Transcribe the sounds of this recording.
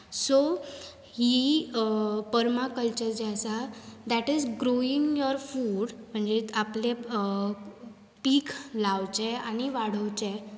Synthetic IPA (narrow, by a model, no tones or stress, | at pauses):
so | hi | pəɾmakəlt͡ɕəɾd͡ʑasad̪ɛʈid͡zɡɾoiŋjɔɾfuɽm̤əɳd͡ʑeaple | piːkʰlawt͡ɕeañiʋaɽ̤əwt͡ɕẽ